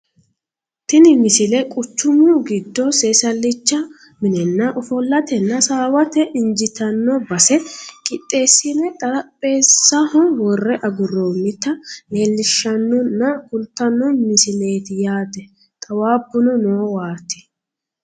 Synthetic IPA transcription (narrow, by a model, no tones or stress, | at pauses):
t̪ɪnɪmɪsɪlɛkʼʊt͡ʃːʊmuɡɪd̪ːɔseːsɐlːɪt͡ʃːɐ | mɪnɛnːɐʔɔfɔlːɐt̪ɛnːɐsaːwɐt̪ɛʔɪnd͡ʒɪt̪ɐnːɔbɐsɛkʼɪt̪ʼːe̞ːsːɪnɛt̪ʼɐɾɐpʼːe̞ːsːɐhɔwɔrːɛʔɐɡʊrːoːmːɪt̪ːɐne̞ːlːɪʃːɐnːɔnːɐkʊlt̪ːɐnːɔmɪsɪle̞ːt̪ɪjaːd̪ɛ | t̪ʼɐwaːbːʊnɔnoːwaːt̪ːɪ̥